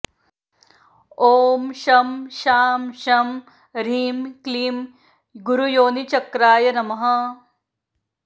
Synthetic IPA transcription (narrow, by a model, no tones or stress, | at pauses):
oːmʃɐmʃaːmʃɐm | ɾiːmkliːm | ɡuɾujoːnit͡ʃɐkɾaːjɐnɐmɐɦɐ